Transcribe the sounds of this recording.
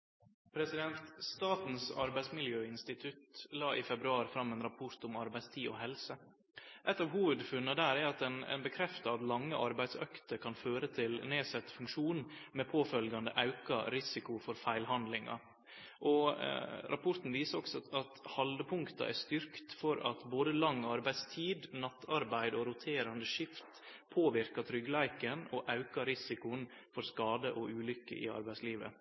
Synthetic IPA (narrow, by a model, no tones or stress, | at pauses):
pʰɾɛsɪd̪ɛnt̪st̪ɑːt̪n̩sɑɾbæɪsmɪljøːɪnst̪ɪt̪ʰʉt̪lɑːʔɪfɛbɾʉɑːɾfɾɑmːɛːnɾɑpʰɔɾt̪ʊmɑɾbæɪst̪ʰiːɔ̰ɦɛlsə | ʔɛt̪ːɑːʋɦuːʋəd̪fʉnːəd̪æːɾɛɑt̪ɛnɛ̰nbəkʰɾɛft̪ɑɑt̪lɑŋːəʔɑɾbæɪd̪sœ̰kt̪əɾkʰɑnføːɾət̪ʰɪlneːsɛt̪ːfʉŋkʂuːnmeːpʰoːfœlɡɑnd̪əʔɑʉkɑ̰ɾɪsɪkʊfɔɾfæɪlhɑnd̪lɪŋɑ̰ | ʔɔ | ɾʔɑpʰɔɾt̪n̩ʋiːsəɾɔksɔɑt̪hɑld̪əpʰʊŋkt̪ɑ̰ʔæ̰st̪ʏɾkt̪fɔɾɑ̰t̪boːd̪əlɑŋːɑɾbæɪd̪st̪ʰiːd̪nɑt̪ːɑɾbæɪd̪ɔɾʊt̪ʰeːɾɑnd̪əʂɪft̪pʰoːʋɪɾkɑt̪ʰɾʏɡlæɪkənɔʔɑʉkɑɾɪsɪkʊn | fɔɾskɑːd̪əʔɔʉːlʏkːə̰ʔɪ̰ɑ̰ɾbæɪsliːʋə̰